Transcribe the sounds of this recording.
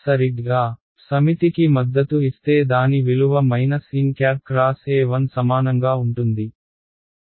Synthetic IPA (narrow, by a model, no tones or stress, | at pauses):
sɐɾiɡaː | sɐmit̪ikimɐd̪ːɐt̪uist̪e̞ːd̪aːniʋiluʋɐmɐjnɐsiːnkjaːp̚kɾaːseːʋɐnsɐmaːnɐŋɡaːuɳʈund̪i